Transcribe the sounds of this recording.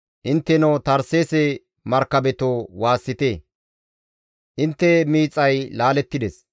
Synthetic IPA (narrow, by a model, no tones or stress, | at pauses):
ʔɪnt̪ːɛnot̪ɐɾseːsɛ | mɐɾkːɐbɛt̪owaːsːɪt̪eː | ʔɪnt̪ːɛmiːt͡sʼːɐjlaːlɛt̪ːɪd̪ɛs